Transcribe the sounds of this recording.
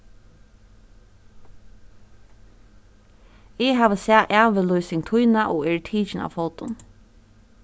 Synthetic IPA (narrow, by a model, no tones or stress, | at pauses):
ɛɦaːʋəsæːʔæːʋəlɔjsɪŋt̪ʰʊjnaʔɔːɛːɹt̪ʰiːt͡ʃɪna̰wfɔlt̪ʊn